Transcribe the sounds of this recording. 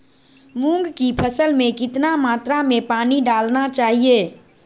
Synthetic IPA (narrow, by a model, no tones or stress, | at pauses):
mũŋɡkipʰəsəlmẽkɪt̪namaːt̪ɾamẽpaːniɖaːlnat͡ʃaːɦieː